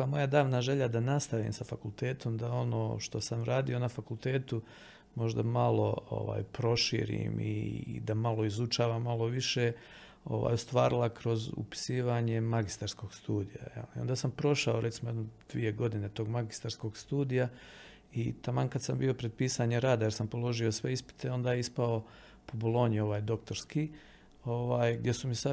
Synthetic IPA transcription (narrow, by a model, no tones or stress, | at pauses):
amo̞jad̪aːʋnaʒe̞ʎad̪anast̪aʋḭːmsafakulˠt̪eːt̪o̞md̪ao̞no̞ːʃt̪o̞samɾaːd̪io̞nafakulˠt̪e̞ːt̪u | mo̞ʒd̪amalˠo̞o̰ʋa̰ːjpɾo̞ʃḭːɾḭːmḭd̪amalˠo̞izut͡ʃaːʋamːalˠo̞ʋiʃe̞ː | o̞̰ʋa̰ːjost̪ʋaːɾilˠakɾo̞zṵpi̥siːʋaɲe̞maɡist̪aɾsko̞ɡst̪uːd̪ija̰jḛliond̪aːsampɾo̞ʃaoɾʔet̪simojed̪nod̪ʋḭje̞ɡo̞d̪ine̞t̪o̞ːɡmaɡist̪aɾsko̞ɡst̪uːd̪ija | it̪amankad̪sambio̞pɾe̞d̪̚piːsaɲeɾaːd̪ajeɾsampo̞lo̞ʒio̞sʋe̞ispi̥t̪ʰe̞o̞nd̪aːjeispao̞ | po̞bolˠo̞ːɲio̞ʋaːjd̪o̞kt̪o̞ɾski | o̞ʋaːjɡ̚d̪je̞sumisa